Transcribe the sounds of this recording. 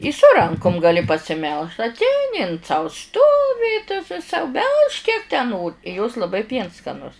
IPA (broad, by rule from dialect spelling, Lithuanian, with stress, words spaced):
ɪ sʊ ˈrɐŋkʊm ɡɐˈlʲɪ pɐsʲɪˈmʲɛlˠʃ ɐtʲˈɛɪnʲɪ ɪn sɐʊ ˈstoːʋʲɪ sɐʊ ˈbʲɛlˠʃk kʲiɛk tʲæː ˈnoːr ɪ joːs lˠɐˈbɐɪ ˈpʲiɛns skɐˈnʊs